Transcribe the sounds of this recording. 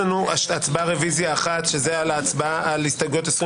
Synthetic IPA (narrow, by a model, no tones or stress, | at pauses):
anuaat͡sbaʁevizjaːχat̪ʃezealaːt͡sbaaʔalist̪aɡot̪esʁi